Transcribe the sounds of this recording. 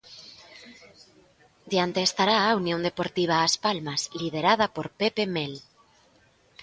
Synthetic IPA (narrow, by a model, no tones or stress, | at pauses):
d̪jant̪eest̪aɾaunjond̪epoɾt̪iβ̞aːspalmaslið̞eɾað̞apoɾpepemel